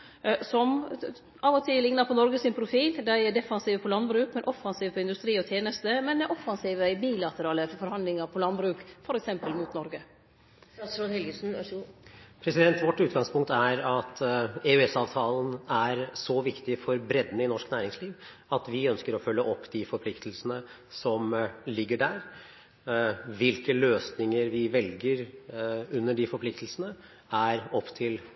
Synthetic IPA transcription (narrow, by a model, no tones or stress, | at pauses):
sɔm | ɑːʋɔt̪ʰɪllɪŋnɑɾpʰɔnɔɾɡəsɪnpʰɾʊfiːld̪æɪɛɖɛfɑnsiːʋəpʰɔlɑnbɾʉːkmɛnʔɔfːɑnsiːʋəpʰɔɪnd̪ʉst̪ɾiːɔt̪ʰjeːnəst̪əmɛnɛʔɔfːɑnsiːʋəbiːlɑt̪əɾɑːləfɔɾhɑnd̪lɪŋɑɾpʰɔlɑnbɾʉːkfɔɾɛksɛmpəlmuːt̪nɔɾɡə | sɾohɛlɡəsn̩ | pʰɾɛsɪd̪ɛnt̪ʋɔʈːʉːt̪ɡɑŋspʰʊŋk̚t̪æɾɑt̪eʉɛsɑːʋt̪ʰɑːlən̩æɾsɔʋɪkt̪ɪfɔɾbɾɛd̪nəɪnɔʂknæːɾɪŋsliːʋ | ɑt̪ʋɪœnskəɾɔfœlːəʔɔpːd̪ɪfɔɾpʰlɪkt̪l̩sənə | sɔmlɪɡːəɖæɾ | ʋɪlkəløːsnɪŋəɾʋɪʋɛlɡəɾ | ʉnːəɖɪfɔɾpʰlɪkt̪lsənə | æɾɔpːt̪ʰɪl